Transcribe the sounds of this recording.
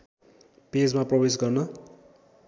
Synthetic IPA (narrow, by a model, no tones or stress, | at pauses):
ped͡zmaprʌbes̬ɡʌrnʌ